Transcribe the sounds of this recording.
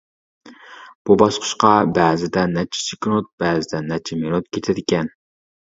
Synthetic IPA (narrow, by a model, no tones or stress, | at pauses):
b̥ubɑʃqʰə̥ʃqɑbæːzɪd̪ɛnɛt͡ʃʰɪ̥sikʲnut̪̚b̥æːzɪd̪ɛnɛt͡ʃʰɛmenut̪̚kʲʰet̪ʰɪd̪ɪkʲɛn